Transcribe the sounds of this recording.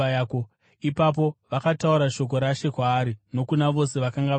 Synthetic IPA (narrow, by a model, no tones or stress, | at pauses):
ako | ipap̬o̞ʋakatauɾaʃo̞k̬o̞ɾaʃe̞kwaːɾino̞kunaʋo̞se̞ʋakaŋɡa